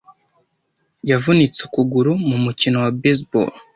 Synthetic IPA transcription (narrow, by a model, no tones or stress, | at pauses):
javunit͡sukuɡuɾumumucino̞wabes̬bo̰l